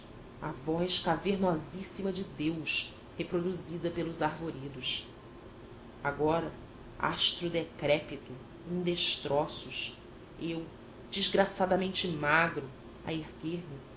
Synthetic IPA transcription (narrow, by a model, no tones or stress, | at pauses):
ɐ̰vɔʃkaveɾnɔzisimɐd͡ʒɪd̪ewʃ | hepɾod̪uzid̪ɐpelʊzaɾvoɾid̪ʊs | aɡɔɾɐ | a̰ʃt̪ɾud̪ekɾɛpit̪u | ĩŋd̪eʃt̪ɾɔsʊʃ | ew | d͡ʒizɡɾasad̪ɐmẽnt͡ʃɪmaɡɾu | ɐ̰eɾɡeɾmɪ